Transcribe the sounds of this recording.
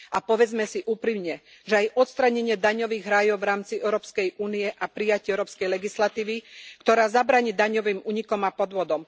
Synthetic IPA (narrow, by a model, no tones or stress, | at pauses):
apɔʋɛd͡zmɛsiʔuːpɾimɲɛ | ʒɛajʔɔt̪st̪ɾaɲɛɲɪɛd̪aɲɔʋiːɣɦɾajɔʊʋɾaːmt͡siɛʊɾɔːpskɛjʔuːnijɛʔapɾijacɪɛʊɾɔːpskɛjlɛɡislat̪iːʋikt̪ɔɾaːzabɾaːɲiːd̪aɲɔʋiːmuːɲikɔmapɔd̪ʋɔd̪ɔm